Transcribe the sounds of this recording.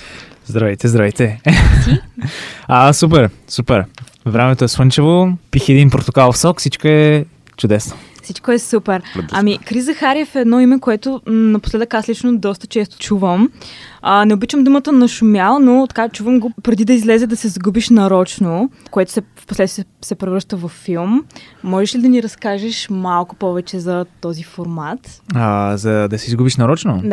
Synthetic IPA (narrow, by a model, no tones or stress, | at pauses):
zd̪ɾɐvɛjt̪ɛzd̪ɾavɛjt̪ɛ | asupɛɾ | supɛɾ | vɾɛmɛt̪oɛswɤnt͡ʃɐvopixɛd̪inpɾot̪ʊkalˠfsɔksit͡ʃkoɛ | t͡ʃʊd̪ɛsnofsit͡ʃkoɛsupɛɾɐmikɾizəxaɾiəfɛd̪nɔimɛkoɛt̪ʊnɐposlɛd̪əkaslit͡ʃnod̪ɔst̪ə̥t͡ʃɛst̪ʊ̥t͡ʃuvəmənɛobit͡ʃəmd̪umət̪ənɐʃumʲjalˠnot̪ɐ̥kat͡ʃuvəmɡopɾɛd̪id̪ɐizlɛzɛd̪ɐsɛzɡubiʃnɐɾɔt͡ʃnokoɛt̪ʊ̥sɛfposlɛd̪ʲsɛpɾɛvɾəʃt̪əvɐfːilˠmː | ɔʒɛʃlid̪ɐniɾɐskaʒɛʃmalˠkʊ̥pɔvɛt͡ʃɛzɐt̪ɔzifoɾmat̪ | zɐd̪ɐsɛizɡubiʃnɐɾɔt͡ʃnod̪